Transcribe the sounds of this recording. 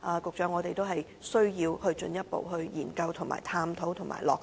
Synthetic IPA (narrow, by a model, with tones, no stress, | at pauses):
ʔaː˨˩kʊ˨k̚t͡ʃœː˨˥ŋːɔː˨˧t̪e˨jt̪o˥wɦɐ˨j | sɵ˥ɥjiː˧whɵ˧ɥt͡ʃɵ̰˧njɐ˥t̚po̰˨whɵ˧ɥjiː˨˩nkɐ˧wt̪ʰʊ˨˩ŋma̰ː˨˩jt̪ʰaː˧mt̪ʰo˨˥wt̪ʰʊ˨˩ŋma̰ː˨˩jlɔː˨˩k̚